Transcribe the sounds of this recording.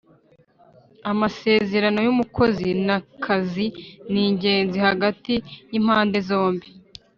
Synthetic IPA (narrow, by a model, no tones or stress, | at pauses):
amase̞ːze̞ɾano̞jumukʰo̞zinakʰaziniːɲɟe̞ːnzihaɡatijim̥haːnde̞zo̞ːmbi